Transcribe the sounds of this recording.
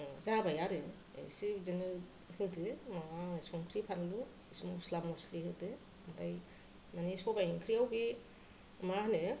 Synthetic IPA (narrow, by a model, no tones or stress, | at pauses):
zabajaɾɯ | ḛsizenɯ | hɯdɯmawasɔŋkʰɾipʰanɯlu | simuslamuslihɯdɯ | mɾaj | manisɔbajiŋkʰɾiawɡi | mahnɯ